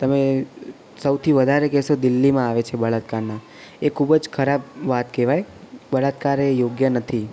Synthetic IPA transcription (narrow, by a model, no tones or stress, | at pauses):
t̪əme | səwt̪ʰiʋəd̪ʱaɾekɛʃod̪ɪlːimãaʋet͡ʃʰebəɭat̪kaɾnã | ekʰubəd͡ʒkʰəɾabʋat̪kɛʋajbəɭat̪kaɾejoɡjənət̪ʰi